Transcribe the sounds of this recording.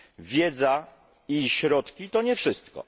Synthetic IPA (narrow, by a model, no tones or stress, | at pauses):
vʲjɛd̪za | iɕɾɔt̪kʲit̪ɔɲɛfʂɘst̪kɔ̰